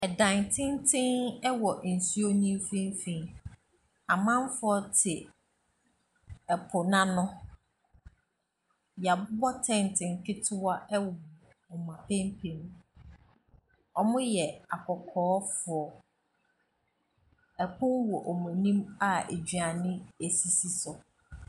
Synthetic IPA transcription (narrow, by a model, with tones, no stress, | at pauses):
ɛ˨dã˨ntʰɪ̃˦n˦tʰɪ̃˦nɛ˦wɔ˨n̩˨su˦o˦nĩ˦m˦fĩ˦m˦fĩ˨˦n | a˨mã˦m˦fʊ˨˦ɔ˦tʰɪ˨ | ɛ˨pʰʊ˨nã˦nʊ̃˦ | jɛ˨a˨bʊ˦bɔ˦tʰɛ̃˨n˨tʰɪ̃˨ŋ˨kʰɪ˦tʰɪ˦wa˦ɛ˦wɔ˨ɔ˨ | ɔ˨m˨ã˨pʰẽ˦mpʰẽ˨n | ɔ˨mʊ̃˦jɛ˨a˨kʰɔ˨kʰɔː˦fʊ˨ɔ˨ | ɛ˨kʰʊ̃˦nwɔ˨ʔɔ˨mũ˨nĩ˦ma˨ḛ˨d͡ʑɥa˨nɪ̃˦e˨si˨si˦sɔ˨